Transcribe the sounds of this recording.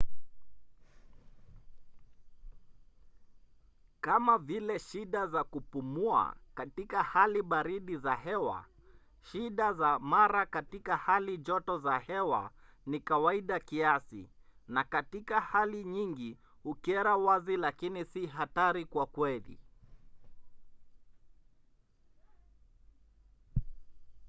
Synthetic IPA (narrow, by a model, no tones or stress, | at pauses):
kamavilɛʃiɗazakupumua̰katikahaliɓaɾiɗizahɛwa̰ | ʃiɗazamaɾakatikahaliʄɔtɔzahɛwa̰nikawaiɗakiasḭnakatikahaliɲiŋɡi | ukiɛɾawazilakinisiɦataɾikwakwɛlḭ